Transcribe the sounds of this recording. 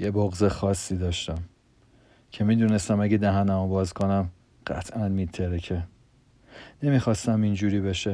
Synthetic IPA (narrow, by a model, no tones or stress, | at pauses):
jeboɣzexɒːsːiːd̪ɒːʃt̪æm | cʰemiːd̪uːnest̪æmæɟed̪æɦænæmobɒːzkʰonæm | ɢ̥æ̰t̪ʰʔænmit̪ʰeɾecʰe | ne̞mixɒːst̪æmind͡ʒuːɾiːbeʃe